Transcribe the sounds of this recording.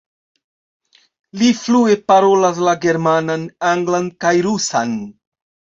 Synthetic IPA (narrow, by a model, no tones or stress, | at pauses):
liflue̞paɾo̞las̬laɡe̞ɾmananaŋɡlankajɾusa̰n